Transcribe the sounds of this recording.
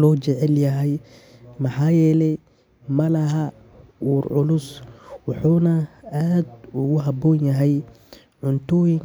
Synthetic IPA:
lɔːt͡ʃɛʕɛljɐɦɛj | mɐħɑːjɛːlɛj | mɐlɐɦɐ | uːɾʕʊlʊswɑħuːnɐaːd̪ʊɣʊɦɐbɔːnjɐɦɛj | ʕʊnt̪ʰɔːjɪŋ

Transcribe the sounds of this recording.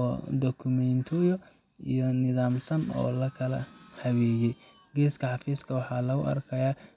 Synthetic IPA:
ɔd̪ɔkʰʊmɛnt̪ʰɔjɔ | ijɔnɪðaːmsɐnɔ̰ːlɐkʰɐlɐ̰hɐwɛːjɛj | ɡɛːskʰɐħɑfiːskʰɐwɑħɑːlɐɣʊʔɐ̰rkʰɐjaː

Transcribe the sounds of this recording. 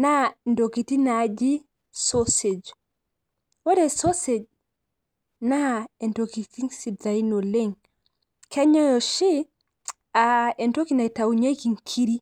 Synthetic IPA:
nandokitinad͡ʒi | sosed͡ʒ | wɔɾɛsosed͡ʒ | naɛntokitiŋsidainoleŋ | kʰɛɲɔjɔʃi | aɛntokinatawuɲekiŋkʰiɾi

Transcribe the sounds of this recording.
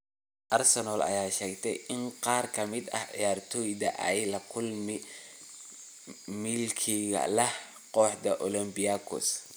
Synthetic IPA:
ʔɐrsɛnɔːlʔɐ̰jaːʃɛːɡt̪ʰɛ̰jɪnqɑːrkʰɐmɪd̪ɐ̰hʕḭjaːrt̪ʰɔːjd̪ɐʔɛjlɐkʰʊlmɪ | mɪlkʰiɣɐ̰lɐh | qɔːħd̪ɐʔɔlɐmbɪjakʰɔ̰s

